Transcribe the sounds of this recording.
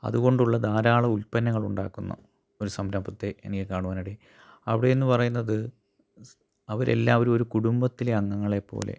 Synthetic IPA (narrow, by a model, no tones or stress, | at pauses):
ɐ̰ðuɣo̞ɳɖuɭːɐd̪aːɾaːɭɐulpɐnːɐŋːɐɭuɳɖaːkːunːɐ̰ | o̞ɾusɐmɾɐmbʱɐt̪ːe̞ʔenikʲːekaːɳuʋaːnɐɽe | ɐʋiɽeenːɨpɐrɐjunːɐðɨ | ɐʋɐɾe̞̰lːaːʋɐɾumo̞ɾukuɽumbɐt̪ːileɐŋːɐŋːɐɭe̞pːo̞̰ːle̞̰